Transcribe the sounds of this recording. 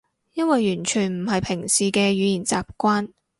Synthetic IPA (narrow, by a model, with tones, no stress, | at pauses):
jɐ˥nwɐ˨jːyː˨˩nt͡ʃʰyː˨˩nm̩˨˩ɦɐ˨jpʰɪ˨˩ŋsiː˨kɛː˧ɥyː˨˧jiː˨˩nt͡sa̰ː˨p̚kʷaː˥n